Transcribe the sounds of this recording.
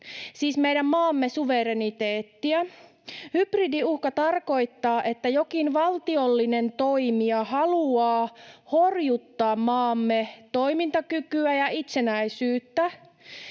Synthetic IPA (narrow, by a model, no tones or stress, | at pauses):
siːsmejdæmmɑːmːesuʋe̞ɾenit̪eːt̪ːiæ | hypridiuhkɑt̪ɑrko̞it̪ːɑːʔe̞t̪ːæjo̞kinʋɑlt̪io̞lːine̞nt̪o̞imiɑhɑluɑːho̞rjut̪ːɑːmmɑːmːet̪o̞imint̪ɑkykyæjɑʔit̪se̞næisyːt̪ːæ